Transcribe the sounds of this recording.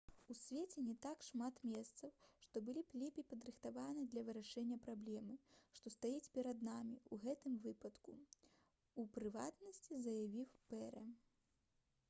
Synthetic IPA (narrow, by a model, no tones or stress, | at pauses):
usʲvʲɛt͡sʲɛnʲɛt̪akʂmat̪mʲɛst̪sɐwʂt̪ɔbɨlʲiplʲipʲipɐd̪ɾɨxt̪avanɨd̪lʲɐvɨɾaʂɛnʲːɐpɾablʲɛmɨʂt̪ɔst̪ajɛt͡sʲpʲɛɾɐd̪namʲiuɣɛt̪ɨmvɨpɐt̪ku | upɾɨva̰t̪nɐsʲt͡sʲizɐjavʲiwpɛɾɛ